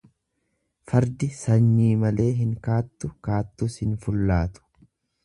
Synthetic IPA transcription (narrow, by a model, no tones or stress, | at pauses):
fɐɾd̪ɪsɐɲːiːmɐle̞ːɦɪŋkaːt̪ːʊkaːt̪ːuːshɪnfʊlːaːt̪ʊ̥